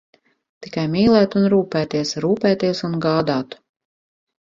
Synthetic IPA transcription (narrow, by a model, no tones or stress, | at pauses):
t̪i̥kajmiːlˠɛːt̪unɾuːpæːt̪iɛsɾuːpɛːt̪iɛsunɡaːd̪aːt̪